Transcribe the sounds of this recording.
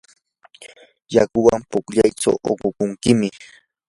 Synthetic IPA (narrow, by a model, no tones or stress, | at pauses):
jakʊwampʊkʎajʈ͡ʂa̰wʔoqʊkʊŋkɪmɪ